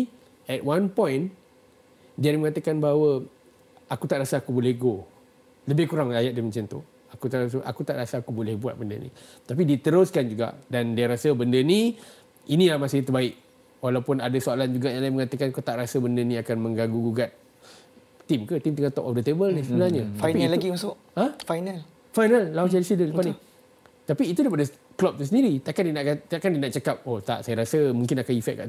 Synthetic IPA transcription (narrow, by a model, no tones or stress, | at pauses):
ɛt̪̚wanpɔ̃jn | diaɾiməŋat̪əkanbaɦwə | akut̪aʔɾasəakubolɛhɡo | ləbɪhkuɾaŋlajat̪̚dimənt͡ʃant̪ṵ | akut̪aʔras̬əʔa̰kut̪aʔɾasəakubolɛhbua̰t̪̚bəndə̰nḭt̪ap̬idit̪əɾʊskand͡ʒuɡa̰ʔdandiaɾasəbəndəni | inĩlahmasɪht̪ərbaɪk̚ | walawpʊnadəsoaland͡ʒuɡaʔjãlaɪməŋat̪əkankot̪aʔɾasəbəndənĩakanmə̃ŋɡaŋɡuɡuɡat̪̚ | t̪ːimkət̪imt̪uəŋat̪ɔp̚ɔfdət̪ebəlnisəbənalɲəfajpilaɡimasʊʔ | afajnal | fajnalːat͡ʃalisidələpani | t̪apiːt̪udajpada | klɔp̚t̪usəndiɾit̪aʔkandinaʔkat̪aʔkandinaʔt͡ʃakap̚ot̪a̰ʔsajaɾasəmũŋkɪnakanifɛʔ̚kːa̰ʔ